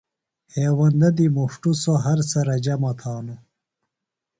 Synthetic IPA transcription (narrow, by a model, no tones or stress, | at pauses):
heːwɐnd̪ɐd̪imuʂʈusoɦɐɾsɐɾɐd͡ʑɐmot̪ʰaːnu